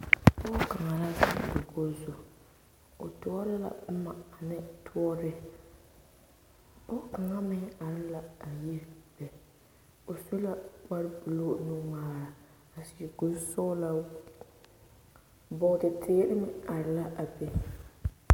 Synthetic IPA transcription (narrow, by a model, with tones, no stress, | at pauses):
pɔ˦ka˨ŋa˨la˦za˦˨dɪ˨ɡo˦zʊ˨ | o̰˨tʊ˦ɔ˦ɾɪ˦la̰˨˦ma˨a˨nɪ˦tʰʊ˦ɔ˦ɾɪ˦ | ɔ˦ka˨ŋa˦mɪ˦ŋ˦a˨ɾɪ˦la˨a˨ji˦ɾb̥ɛ˨ | o˨su˦la˦k͡pa˦ɾbɨ˨lo˦nʊ˦maː˨ɾa˨ | a˨sɪ˨ɡʊ˦sɔ˦la˨ | bɔ˨˦dɪ˨tʰeː˦ɾɪ˦mɪ˨a˨ɾɪ˨la˦a˨bɛ˨